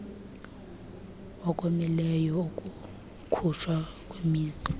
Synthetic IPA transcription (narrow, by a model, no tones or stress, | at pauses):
ɔkʼomilɛjɔokʼu | kʰuʃʰwa | kʼwemiːzi̥